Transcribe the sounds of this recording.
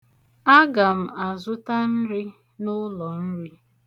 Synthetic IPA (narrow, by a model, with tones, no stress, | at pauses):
a˦ɡa˨m̩˨a˨zʊ˦ta˦n̩˦ɾɪ˦ | nʊ˦lɔ˨n̩˦ɾi˦